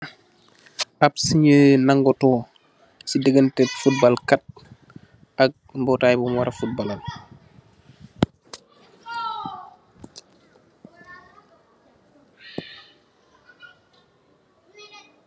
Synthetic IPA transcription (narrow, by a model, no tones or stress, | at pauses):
apsiɲəːnaŋɡɔtɔː | sidəɡəntɛtfut̚balkat̚ | ɐk̚mbɔtaːjbumwaɾɐfut̚balal